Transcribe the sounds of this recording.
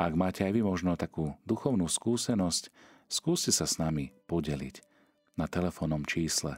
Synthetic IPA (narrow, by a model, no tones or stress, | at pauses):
aɡmaːcɛajʋimɔʒnɔt̪akuːd̪uxɔʊnuskuːsɛnɔsc | skuːscɛsasnamipɔɟɛlḭc | nat̪ɛlɛfɔnɔmt͡ʃiːslɛ̰